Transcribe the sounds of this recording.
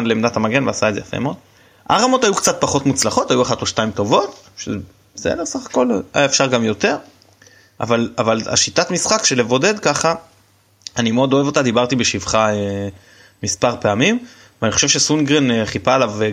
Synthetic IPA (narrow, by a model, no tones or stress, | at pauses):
nlemdatamaɡe̞nveasaedzejafḛmeod̪ | ʔa̰ʁamo̞tajukt͡sat̪̚paχo̞t̪mut͡slaχo̞tajuaχatoʃtaimto̞vo̞t | ʃe | zḛlesaχḁko̞laaefʃaʁɡamjo̞t̪e̞ʁ | ʔa̰valavala̰ʃitatmisχakʃele̞vo̞de̞d̪kaχa | animeod̪o̞e̞vo̞t̪ad̪ibaʁt̪ibe̞ʃivχae | mispaʁpe̞amim | veaniχo̞ʃevʃe̞sunɡʁeneχipaːlav